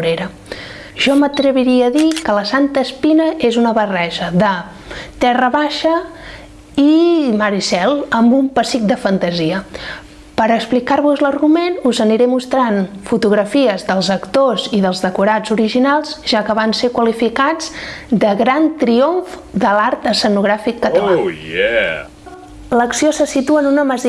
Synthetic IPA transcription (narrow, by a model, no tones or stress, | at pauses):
uɾeɾə | ʒ̥ɔmət̪ɾəβiɾiəːðikələsant̪əːspinəezunəβərɛʒəðə | t̪ɛrəβaʃə | iməɾisɛlˠəmbumpəsik̚d̪əfənt̪əziə | pəɾəksplikaɾβuzləɾɣumenuzəniɾɛmust̪ɾanfut̪uɣɾəfiəzðəlˠzəkt̪oziðəlˠzðəkuɾad͡zuɾiʒinalˠzʒakəβansekwəlifikad͡zd̪əɣɾant̪ɾioɱfd̪əlaɾt̪əsənuɣɾafikːət̪əlaɛ | ləksiosəsit̪uənunəməz